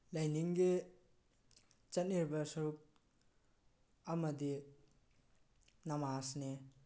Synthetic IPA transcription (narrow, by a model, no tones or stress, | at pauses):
lajniŋɡe | t͡ʃatniɾbasɐɾuk̚ | amɐd̪i | namaːsne